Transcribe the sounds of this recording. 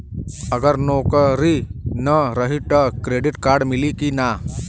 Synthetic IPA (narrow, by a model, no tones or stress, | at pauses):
ɐɡəɾnoːkəɾinɐɾɐɦiʈəkɾeːɖɪʈkaːɾɖmɪlikina